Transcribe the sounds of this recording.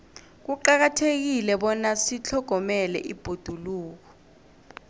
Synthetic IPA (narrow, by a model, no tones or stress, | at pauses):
k̬uǃak̬atʰek̬ilɛɓɔnasit͡ɬʰɔɡ̥ʱɔmɛlɛ̰ʔḭb̥ʱod̥ʱuluːk̬ɔ̥